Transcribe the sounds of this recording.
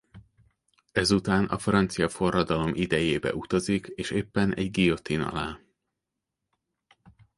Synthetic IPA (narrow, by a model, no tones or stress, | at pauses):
ɛzut̪aːnɒ̰frɒnt̪sijɒfo̞rːɒd̪ɒlo̞mʔid̪ɛjeːbɛ̰ʔut̪ɒzikeːʃeːpːɛnʔɛɟɡijo̞t̪inɒ̰laː